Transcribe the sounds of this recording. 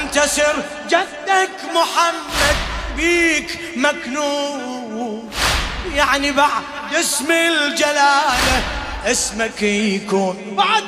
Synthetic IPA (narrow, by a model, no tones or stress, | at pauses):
nt̪asɪɾ | d͡ʒad̪ːakmʊħamːad̪̚biːk | maknuː | w | jaʕnibaʕd̪ | jɪsmild͡ʒalaːlaʔɪsmakjkuːn | baʕd̪